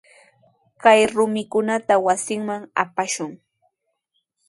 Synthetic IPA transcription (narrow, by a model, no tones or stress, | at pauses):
kajɾʊmɪkʊnat̪awasɪŋmaŋa̰paʃʊŋ